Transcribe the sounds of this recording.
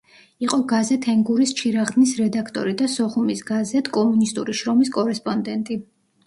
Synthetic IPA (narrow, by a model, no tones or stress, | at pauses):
iqʼɔɡazɛt̪ʰɛŋɡuɾist͡ʃʰiɾaʁd̪nisɾɛd̪akʰt̪ʼɔ̰ɾid̪asɔχumisɡazɛt̪ʰkʼɔmunist̪ʼuɾiʃɾɔmiskʼɔɾɛspʼɔnd̪ɛnt̪ʼi